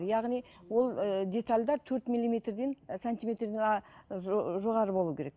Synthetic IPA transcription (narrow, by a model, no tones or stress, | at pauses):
ɾjɑʁnijwo̞lˠd̪ʲe̞t̪alʲd̪ɑɾt̪ʰɵɾt̪milʲːimʲe̞t̪rd̪e̞nsant̪imʲe̞t̪rd̪enʒʒo̞ʁɑɾəbo̞lˠuəkʰʲe̞ɾek